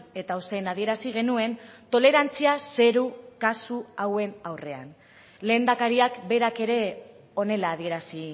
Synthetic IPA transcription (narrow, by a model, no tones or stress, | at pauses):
e̞t̪aosenaðie̞ɾasiɣ̞e̞nue̞nt̪o̞le̞ɾant͡siase̞ɾukasuawe̞nawre̞a̰n | le̞ːnd̪akaɾiakbe̞ɾake̞ɾe̞ | o̞ne̞laːð̞ie̞ɾasi